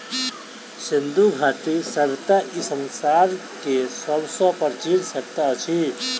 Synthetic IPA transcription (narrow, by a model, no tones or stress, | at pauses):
sind̪ʱuɡʱaʈ̪isəɾt̪aʔisənsaɾ | kesʌbsɔ̃pəɾt͡ʃiɾsək̚t̪at͡ʃʰi